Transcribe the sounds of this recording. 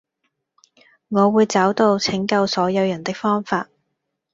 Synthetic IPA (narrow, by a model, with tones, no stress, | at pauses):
ŋɔː˨˧wuː˨˧jt͡saː˨˥wt̪o˧wt͡sʰɪ˨˥ŋkɐ˧wsɔː˨˥jɐ˨˧wjɐ˨˩nt̪ɪ˥k̚fɔː˥ŋfaː˧t̚